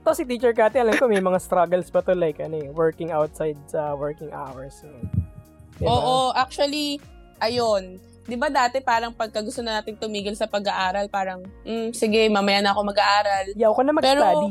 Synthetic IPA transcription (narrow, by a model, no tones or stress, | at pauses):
t̪osɪt̪iːt͡ʃɛɹkaːt̪ɛɐlɐmkomɐjmɐŋast̪ɾaɡɐlsbɐt̪olajkɐnojɛwɛɹkɪŋawt̪̚sajd̪̚sɐwɛɹkɪŋʔa̰wɛɹsɐnɛ | ɛʔoːʔoʔak̚t͡ʃuɐli | ʔɐjon | d̪ɪbad̪aːt̪ɛpaːɾɐŋpɐɡ̚kɐɡʊst̪onɐnaːt̪ɪŋt̪ʊmiːɡɪlsɐpɐɡɐʔaːɾɐlpaːɾɐŋm̩sɪɡɛmamɐjanɐɐkomɐɡaʔaːɾɐljakonɐmɐɡpɛːɾai